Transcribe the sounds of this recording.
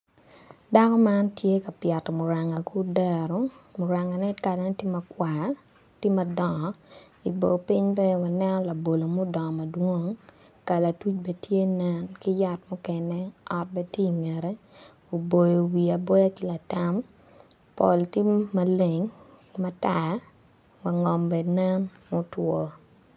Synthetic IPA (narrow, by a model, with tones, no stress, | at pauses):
da˦kɔ˦ma˦ntje˦ka˨pja˨tɔ˨mʊ˨ɾa˨ŋa˨ku˦dɛ˦˨ɾɔ˦mʊ˨ɾa˨ŋa˨nɛ˦tka˨da˨˦ti˦ma˨kwa˨ | ti˦mɐ˨dɔ˨ŋɔ˨ | i˨bo˨pi˦ɲbɛ˦wa˨nɛ˦nɔ˦la˨bo˨lo˨mʊ˦dɔ˨ŋɔ˨mɐ˨dwo˦ŋ | ka˨la˨tu˦t͡ʃbɛ˦tʰje˦nɛ˦nki˦ja˦t̚mʊ˦kɛnɛ˦ɔ˦t̚bɛ˦tje˦i˨ŋɛ˨ɾɛ˦ | o˨bo˨jo˨wi˨a˨bo˦ja˦ki˦la˨ta˦m | po̰˨lti˦ma˦le˨ŋ | ma˦ta˨ | wa˨ŋɔ˨mbɛ˨nɛ˦nmʊ˦twɔ˦